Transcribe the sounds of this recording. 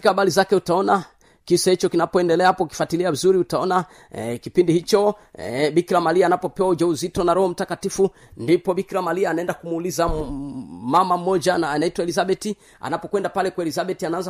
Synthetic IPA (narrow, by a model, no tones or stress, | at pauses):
ikaaɓalizakɛutaɔna | kisahit͡ʃɔkinapɔɛndɛlɛahapɔuki̥fwatiliavizuɾiutaɔna | kipindihit͡ʃɔ | ɓikiɾamaliaːnapɔpɛwaud͡ʒauzitɔnaɾɔhɔm̩takatifu | ndipɔɓikiɾamaliaːnaɛndakumuːliza | mamam̩mɔd͡ʒanaːnaitwaɛlizaɓɛti | a̰napɔkwɛndapalɛkwaɛlizaɓɛtianaanza